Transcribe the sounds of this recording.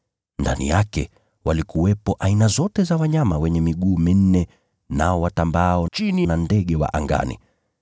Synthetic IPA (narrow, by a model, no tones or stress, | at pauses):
nda̰nḭjakɛ̰ | walikuwɛpɔʔainazɔtɛzawaɲamawɛɲɛmiɠuːmin̩nɛ | naɔwatambaɔt͡ʃininandɛɠɛwa̰ʔaŋɡa̰nḭ